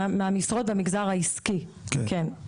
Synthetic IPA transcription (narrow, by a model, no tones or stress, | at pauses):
meamisʁot̚bamiɡzaʁhaiskiken